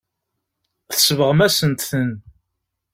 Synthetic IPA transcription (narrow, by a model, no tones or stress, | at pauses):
θə̥svəʁmæsənt̪θən